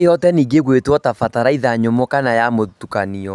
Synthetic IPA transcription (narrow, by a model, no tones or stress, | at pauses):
jɔtɛniːɡeɣwetwɔtafataɾaiðaɲomɔkanajamotukaniɔ